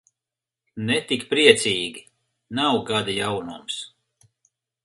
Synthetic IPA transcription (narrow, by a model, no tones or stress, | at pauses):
nɛt̪ikpɾiɛt̪sʲiːɡʲi | nawkaːd̪ijawnums